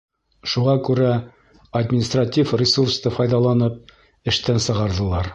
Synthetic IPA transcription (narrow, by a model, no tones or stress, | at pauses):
ʃuʁɑkʉɾæ | ɐd̪ʲmʲɪnʲɪst̪ratʲifrʲɪsurst̪ɤfɑjðɑlˠɑnɤp̚ | ɘ̆ʃt̪ænsɤ̆ʁɑɾðɤ̆lˠɑɾ